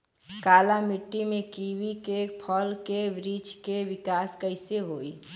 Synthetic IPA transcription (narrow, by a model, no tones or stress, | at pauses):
kaːlamɪʈːimẽkiʋikepʰəlkeʋɾid͡ʒkeʋɪkaːskəɪseɦoːi